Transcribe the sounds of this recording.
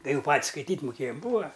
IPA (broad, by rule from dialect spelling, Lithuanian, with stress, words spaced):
tɐɪ ˈjɛʊ ˈpɐtʲsʲ skɐɪˈtʲiːtʲ mʊˈkʲeːjɛm ˈbuːɐ